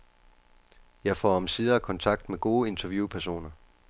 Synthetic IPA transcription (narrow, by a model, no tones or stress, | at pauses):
jɑ̈ɪfɒ̰ːɒmsiːð̞ˠɐːkʰɒ̽nt͡sʰɑ̈ɡ̥̚d̥meɡ̥o̝ːe̝nt͡sʰɐʋjupʰæɐs̬o̝̰ːnɐ